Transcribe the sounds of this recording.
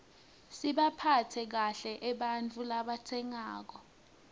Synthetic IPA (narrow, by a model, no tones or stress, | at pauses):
siɓapʰatʰɛk̬aɬɛʔɛɓant͡fʰʼulaɓatʰɛŋaːk̬ɔ